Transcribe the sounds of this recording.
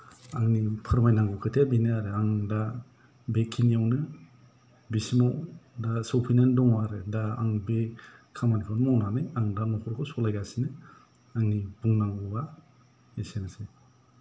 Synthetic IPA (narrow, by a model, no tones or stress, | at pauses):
aŋnipʰɯɾmajnaŋɡukʰɯtʰebineaɾɯaŋda | bekʰinijawnɯ | bisimawdasɔwpʰinendɔŋaɾɯdaa̰ŋbekʰamanikʰanmawnanɯjaŋdanɔkʰɔɾkʰɔsɔlajɡasinɯ | aŋnibuŋnaŋɡɔba | esenase